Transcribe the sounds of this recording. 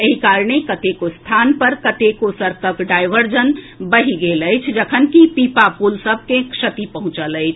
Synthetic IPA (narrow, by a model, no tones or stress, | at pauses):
əɦikaːɾɳekət̪ekost̪ʰaːnpəɾkət̪ekosəɾkəkɖaːɪʋəɾd͡ʒən | bəɦiɡeləjt͡ʃʰd͡ʒəkʰənkipiːpapulsəb̚ʱkekʃət̪ipəɦʊ̃t͡ʃələɪt͡ʃʰ